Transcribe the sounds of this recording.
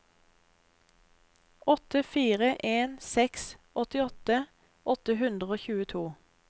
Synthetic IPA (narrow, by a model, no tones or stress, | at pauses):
ɔt̪əfiːʁəʔeːnsɛks | ɔt̪ɪɔt̪ə | ʔɔt̪əhʉnd̪ʁəoːçʉːət̪ʰuː